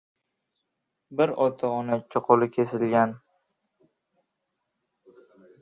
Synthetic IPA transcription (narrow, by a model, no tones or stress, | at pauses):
bɪɾɒt̪ʰaɒnat͡ʃʰːɪqʰolɪkʲʰe̞sɪlɡʲan